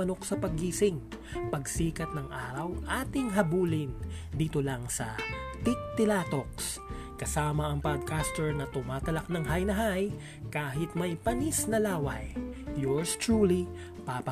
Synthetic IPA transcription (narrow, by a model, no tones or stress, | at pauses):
ɐno̞ksɐpɐɡiːsɪŋ | pɐɡsiːkɐt̪̚nɐŋʔaːɾɐwʔaːt̪ɪŋɦɐbuːlɪnd̪iːt̪olɐŋsɐt̪ɪk̚t̪ɪlaːt̪o̞k̚s | kɐsaːmɐʔɐŋpad̪̚kast̪ɛɹnɐt̪ʊmaːt̪ɐlɐk̚nɐŋɦajnɐɦaj | kaːɦɪt̪mɐjpɐnisnɐlaːwɐjjoɹst̪ɹuːli | papɐ